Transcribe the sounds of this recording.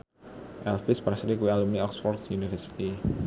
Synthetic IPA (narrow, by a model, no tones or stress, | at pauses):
ʔɛlfɪspɾasɾikuwialumniɔksfɔrt̪junifərsi̥t̪i